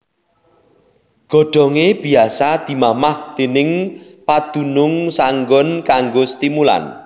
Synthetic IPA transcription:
ɡ̥ɔ̤ɖ̥ɔ̤ŋeb̥i̤asad̪̥i̤mamahd̪̥e̤nɪŋpad̪̥ṳnʊŋsaŋɡɔnkaŋɡost̪imula̰n

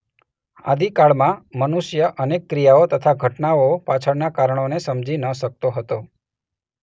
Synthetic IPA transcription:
a̰d̪ʱikaɭmãmənuʃjəʔənekːɾijaot̪ət̪ʰaɡʱəʈnaopat͡ʃʰəɽnakaɾəɳ̃onesəmd͡ʒinəʃək̚t̪oɦət̪o

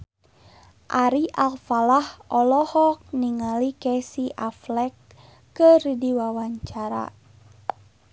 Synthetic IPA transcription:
ʔaɾiʔalfalahɔlɔhɔk̚niŋalikɛsiʔaflɛkː | əridiwawaɲt͡ʃaɾa̰

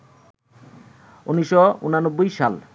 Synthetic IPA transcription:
uniʃoṵnanobːojʃa̰l

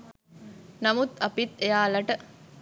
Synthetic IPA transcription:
nɐmut̪ɐpit̪ejaːlɐʈə

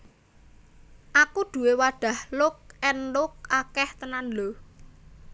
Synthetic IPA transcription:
ʔakuɖ̪̥ṳwewaɖ̥ä̤hlʊk̚ɛnlʊk̚akɛht̪ənanɖo

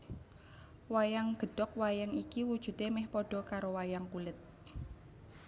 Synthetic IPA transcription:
wajaŋɡ̥ə̤ɖ̥ɔk̚wajaŋikiwud̥ʒ̥ṳt̪emɛhpɔɖ̥ɔ̤kaɾowajaŋpulɪt̪̚

